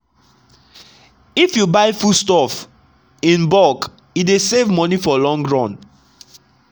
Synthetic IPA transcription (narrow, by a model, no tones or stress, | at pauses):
ifjubaɪfustɔf | ĩnbɔk | idesevmɔnifɔlɔ̃ŋɡɹɔ̃n